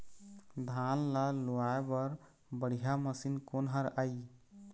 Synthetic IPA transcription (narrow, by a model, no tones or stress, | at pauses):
d̪ʱanlaloaebəɾ | bəɽ̤ijaməsinkonɦəɾai